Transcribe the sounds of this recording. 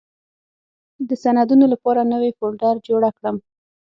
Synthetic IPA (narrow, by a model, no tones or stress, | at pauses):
d̪əsanad̪unolapɑɾanəwefoɽɖaɾd͡ʒoɽakɽəm